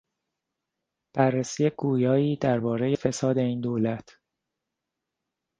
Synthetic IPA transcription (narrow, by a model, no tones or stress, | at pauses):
b̥ærːesiːjeɡuːjɒːiːd̪æɾbɒːɾe̞je̞fe̞sɒːd̪e̞iːnd̪oːlæt̪ʰ